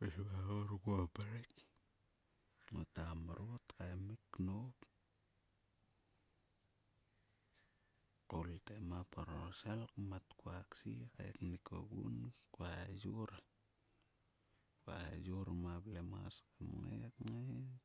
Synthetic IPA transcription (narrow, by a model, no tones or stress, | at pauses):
peʃβaoɾɡopaɾek | ŋotamaɾotkajmikːnop | koltemapaɾosalkmatkuaksika̰jknikʰo̰ɡṵnkajoɾa | kwa̰joɾamablema̰skamŋḛkŋe